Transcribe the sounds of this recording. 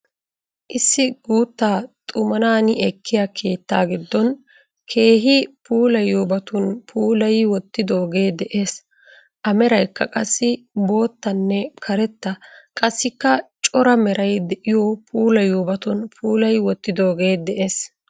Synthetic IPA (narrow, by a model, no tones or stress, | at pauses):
ʔɪsːɪɡuːt̪ːaːt̪ʼʊmɐnaːnɪɛkʰːɪjakʰe̞ːt̪ːaːɡɪd̪ːɔn | kʰe̞ːɦɪpʰuːlɐjuːbɐt̪ʊnpʰuːlɐjwɔt̪ːɪd̪o̞ːɡe̞ːd̪ɛʔe̞ːs | ʔɐmɛɾɐjkːɐkʼɐsːɪbo̞ːt̪ːɐnːɛkʰɐɾɛt̪ːɐkʼɐsːɪkːɐt͡ʃʼɔɾɐmɛɾɐjd̪ɛʔɪjɔpʰuːlɐjuːbɐt̪ʊnpʰuːlɐjwɔt̪ːɪd̪oːɡe̞ːd̪ɛʔe̞ːs